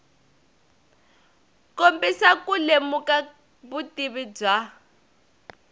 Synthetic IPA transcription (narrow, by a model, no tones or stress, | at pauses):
kombisakulemuka | βutiβib͡ʐwa